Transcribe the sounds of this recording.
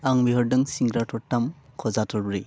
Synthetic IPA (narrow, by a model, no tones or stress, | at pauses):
aŋbiɦɯɾdɯŋsiŋɡɾatʰɔɾtamkʰɔzatʰɔɾbɾi